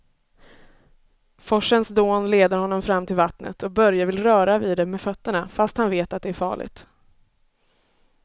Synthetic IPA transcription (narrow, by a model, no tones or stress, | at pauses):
fɔʂənsd̪oːnleːd̪əɾhɔnːɔmfɾamːt̪ʰɪlvat̪nə̰t̪ʰɔk̚bœɾjavɪlɾœːɾaviːd̪ɛmɛfœt̪ːəɳafast̪hanveːt̪at̪̚d̪ɛæɾfɑ̰ːɭɪ̰ɡt̪